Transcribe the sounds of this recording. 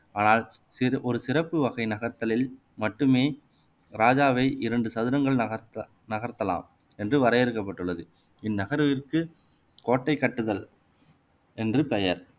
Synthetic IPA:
aːnaːl | sɪʔɔɾɯsɪrɐpːɯʋɐɣɐɪnɐɣɐɾt̪ɐlɪl | mɐʈːɯmeː | ɾaːd͡ʒaːʋɐɪʔɪɾɐɳɖɯsɐðɪɾɐŋɡɐɭɐ | nɐɣɐɾt̪ɐla̰ːm | ɛndrɯʋɐɾɐjɪɾɯkːɐpːɐʈːɯɭːɐðɯ | ɪnːɐɣɐɾʋɪrkɯ | koːʈːɐɪkːɐʈːɯðɐl | ɛndrɯpɛjɐɾ

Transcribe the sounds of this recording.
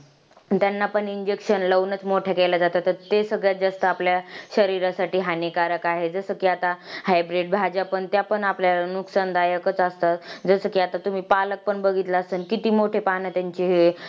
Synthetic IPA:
t̪janːapəɳiɲd͡ʑekɕənləʋnət͡smoʈʰakelad͡zat̪at̪əɾt̪esəɡɭjat̪̚d͡zast̪əapljaɕəɾiɾasaʈiːɦanikaɾəkaɦed͡zəsəkiat̪ahajbɾeʈ̚bʱad͡ʑapəɳt̪japəɳapljaanuksand̪ajəkət͡səst̪ad͡zəsəkiat̪at̪um̤iːpalək̚pəɳbəɡʱit̪laəsənkit̪iːmoʈʰepanət̪jaɲt͡ɕiɦe

